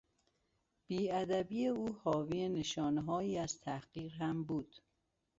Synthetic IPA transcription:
b̥iːæd̪æbiːeuːhɒːviːeneʃɒːneɦɒːjiːæz̥t̪ʰæhɢiːɾɦæmbuːd̪̥

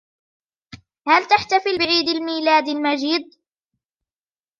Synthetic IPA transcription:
halt̪aħt̪afɪlbɪʕiːd̪almiːlaːd̪almad͡ʒiːd̪̚

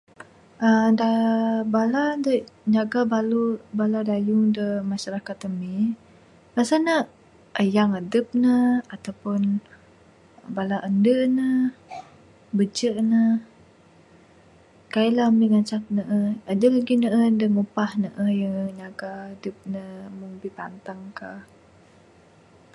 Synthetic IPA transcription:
ʔədabaladəɲaɡabalubaladajuŋdəmaʃaɾakat̪əmi | pasanə | ʔəjaŋədəp̚nəat̪awpʊn | balaʔəndənə | bəd͡ʒəʔnə | kailaəmiŋaɲt͡ʃak̪̚nəʔəədəlaɡinəʔəəndəŋupahnəʔəjəɲaɡaədəp̚nəməŋbipant̪aŋka

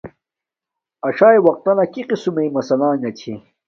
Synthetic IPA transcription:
ɐʂaːjwɐq̚t̪ɐnɐkiqisumejmɐsɐlãːŋɡɐt͡ɕʰḭ

